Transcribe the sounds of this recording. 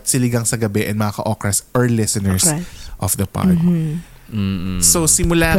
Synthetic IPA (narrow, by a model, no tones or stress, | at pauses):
t̪sɪlɪɡɐŋsɐɡɐbɛʔɛnmɐakɐ̰ʔokɹɐsʔɐɹlɛsɐnɛɹsʔɔfd̪ɐpa̰ | m̩ːsosɪmʊlaː